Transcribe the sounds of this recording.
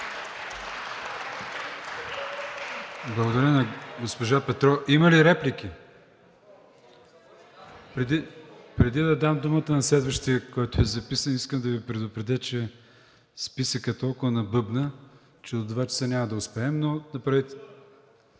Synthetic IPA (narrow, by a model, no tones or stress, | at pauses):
blˠɐɡod̪ɐɾʲənɐɡospoʒapɛt̪ɾɔʔimɐliɾɛplik̟ʲi | pɾɛd̪ipɾɛd̪id̪ɐd̪amd̪umət̪ənɐslɛd̪vəʃt̪iɐkɔjt̪ʊɛzɐpisəniskəmd̪ɐvipɾɛd̪ʊpɾɛd̪ʲɛt͡ʃɛ | spisəkət̪ɔlˠkʊvənɐbɤbnə | t͡ʃɛod̪d̪vat͡ʃɐ̥sənʲamɐd̪ɐʊspɛɛmnonɐpɾavit̪